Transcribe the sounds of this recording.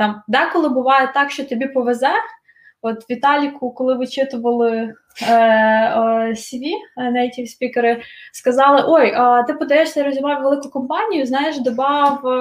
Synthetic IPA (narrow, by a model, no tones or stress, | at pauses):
t̪ɑmd̪ɛkɔlˠɪbʊʋɑjɛt̪ɑkʃt͡ʃɔt̪ɔbʲipɔʋezɛ | ɔt̪ʋʲit̪ɑlʲikʊkɔlˠɪʋɪt͡ʃɪt̪ʊʋɐlˠɪ | sʲʋʲinɛjtʲiwsʲpʲikeɾɪskɐzɑlˠɪʔojət̪ɪpɔd̪ɐjɛʃsʲɐiɾɔzʲiʋɑwʋelˠɪkʊkɔmpɑnʲijʊznɑjeʃd̪ɔbɑw